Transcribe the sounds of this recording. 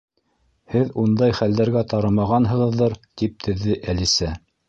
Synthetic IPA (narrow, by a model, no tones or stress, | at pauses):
hɘðund̪ɑjχæld̪æɾɡæt̪ɑɾɤmɑʁɑnɦɤ̆ʁɤ̆ðːɤɾt̪ip̚t̪ʰɘ̆ðːɘʔælisæ